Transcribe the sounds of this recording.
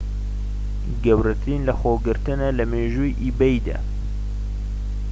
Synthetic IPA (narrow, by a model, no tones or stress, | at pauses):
ɡɐwɾɐt̪ɾinlɐxoɡɨɾt̪ɨnɐlɐmeːʒujʔibejd̪a̰ː